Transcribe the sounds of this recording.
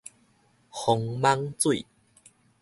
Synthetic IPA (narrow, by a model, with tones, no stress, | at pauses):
xɔ˧ŋma˦ŋt͡swi˥˨